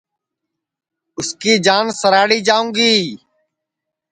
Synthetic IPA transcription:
ʊskiːd͡ʒaːnsəɾaːɽiːd͡ʒaːũːɡiː

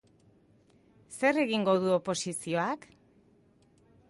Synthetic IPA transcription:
se̞re̞ɣiŋɡo̞ð̞uopo̞sisio̞ak

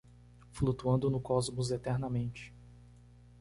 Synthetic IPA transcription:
flut̪uɐ̃nd̪ʊnʊkɔzmʊzet̪ɛɾnɐmẽnt͡ʃɪ̥

